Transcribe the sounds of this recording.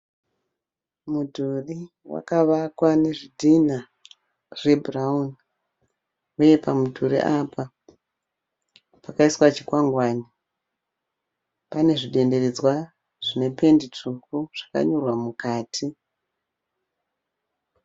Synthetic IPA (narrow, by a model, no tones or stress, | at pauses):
mudʱuri | wa̰kaʋakwane̞ʐidʱina | re̞bʱraun | uje̞pamudʱuɾḭʔapa | pakaiswat͡ʃi̥kwaŋɡwaːni | pane̞ʐiɗe̞nde̞red͡zwa | ʐ̥ine̞pe̞ndit͡ʂukuʐ̥aka̰ɲo̞rwamukaːtʰi